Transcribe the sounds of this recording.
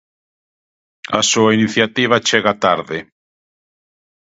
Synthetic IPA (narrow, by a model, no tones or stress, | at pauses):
a̰suainiθjat̪iβ̞at͡ʃeɣat̪aɾðɪ